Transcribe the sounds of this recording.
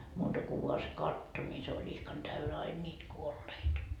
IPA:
muːtɑ ku ʋuɑ se kɑtːo nʲi se olʲ ihkɑn tæynæ ɑin nʲiːt kuolːeit

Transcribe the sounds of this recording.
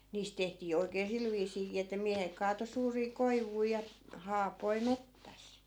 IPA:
niːst tehtiː oi̯keː sil ʋiːsiːkiː etːæ miæhek kɑːto suːriː koiʋui jɑ hɑːpoi metːæs

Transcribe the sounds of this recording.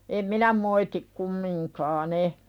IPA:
em minæ moitik kumːiŋkɑːn e

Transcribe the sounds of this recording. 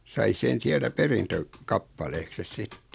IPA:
sɑi sen̞ siæltæ perintø kɑpːɑleːkses sitːe

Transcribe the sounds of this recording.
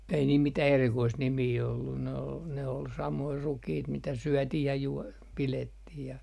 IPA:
ei niːl mitæh erikoist nimiː olːun ne ol sɑmoi rukiːt mitæ syøtih jɑ juo piletːih jɑ

